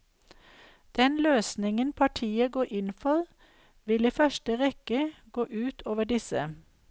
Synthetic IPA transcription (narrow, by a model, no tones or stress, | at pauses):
d̪̥ɛnløːsnɪŋənpʰɑʈʰiːəɡoːʔɪnfɔʁ | ʋɪliːfœʃʈəʁɛkəɡ̥oːʔʉːt̪ʰoːʋəɖɪsə̰